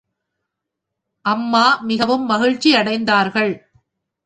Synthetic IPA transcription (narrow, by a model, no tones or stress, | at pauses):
ʔɐmːaːmɪɣɐʋɯmːɐɣɪɻt͡ʃːiɐɽɐɪnd̪aːɾɣɐɭ